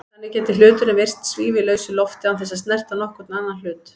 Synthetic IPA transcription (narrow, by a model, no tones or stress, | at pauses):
anːɪcɛːt̪ɪlʏːt̪ʏnɛvejr̥st̪sviːvɪlœːɥsʏlɔft̪ɪanθɛs̬ːaðst̪nɛr̥t̪anɔhkɔɾt̪nanːal̥ʏːt̪